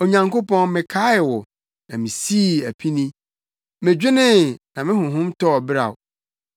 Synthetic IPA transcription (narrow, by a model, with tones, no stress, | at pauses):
o˨ɲã˨ŋko˦pɔ̃˦nmɪ̃˨kʰa˦ɪ˨wɔ˨ | nã˨mĩ˨si˦˨æ˨pʰi˦nĩ˦ | mɪ̃˨d͡ʑᶣɪ˦nɪ̃˦nã˨mɪ̃˦ɦʊ̃˨ɦʊ̃˦mtɔ˦˨bɪ˦ɾa̰˨ʊ˨